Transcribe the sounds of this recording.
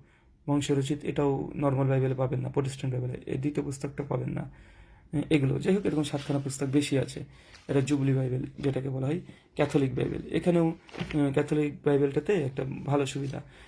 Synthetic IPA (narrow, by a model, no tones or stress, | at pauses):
bʱɔŋʃoɾot͡ɕit̪ḛʈaonɔɾmalbajbelepabenːa̰pɾoʈesʈʰaɳʈbajbelḛḛd̪it̪iopust̪ok̚ʈapabenːa̰ | eɡulo̰d͡ʑeɦokeɾokonʃat̪kʰanapust̪ok̚beʃiat͡ɕʰe | eʈad͡ʑublibajbeld͡ʑeʈakebɔlaɦɔj | kɛt̪ʰolik̚ba̰jbḛlḛkʰanewkɛt̪ʰolik̚bajbelʈat̪eɛk̚ʈabʱaloʃubid̪ʱa̰